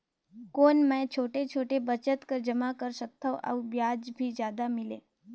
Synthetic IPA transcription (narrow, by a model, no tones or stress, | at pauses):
konmə̃t͡ʃʰoːʈet͡ʃʰoːʈebət͡ʃət̪kəɾd͡ʒəmakəɾʃək̚t̪ʰaʔa̰ubjad͡ʒbʱizjaːd̪amɪlḛː